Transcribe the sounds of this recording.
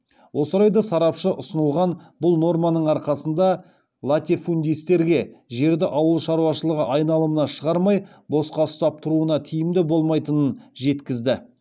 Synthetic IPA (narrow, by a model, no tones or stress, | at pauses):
wʔo̞səɾɑjd̪ɑsɑɾɑpʃəʔʊsənəlˠʁɑnbʊlˠno̞rmɑnəɴɑɾqɑsənd̪ɑ | lˠat̪ʲifund̪ʲijst̪e̞ɾɡʲe̞ʒe̞ɾd̪ɪʔɑwəlˠʃɑɾuwɑʃəlˠəʁəʔɑjnɑlˠəmənɑʃəʁɑɾmɑj | bo̞sqɑst̪ɑp̚t̪ʰʊɾuənɑt̪ʰijɪmd̪ɪbo̞lˠmɑjt̪ənənʒe̞t̪kʲɪzd̪ɪ